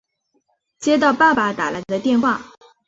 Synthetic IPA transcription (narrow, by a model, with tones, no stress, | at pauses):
t͡ɕjɛ˥t̪ɑ˥˧ʊpa˥˩pa˨˩t̪a˨˩la˧˥ɪd̪ə˧t̪jɛ˥˧nxwa˥˩